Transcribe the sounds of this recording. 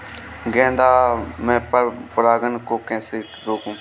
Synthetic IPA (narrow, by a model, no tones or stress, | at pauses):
ɡɛ̃ːnd̪aːmɛ̃ːppəɾaːɡənkoːkɛ̃ːseː | ɾoːkũː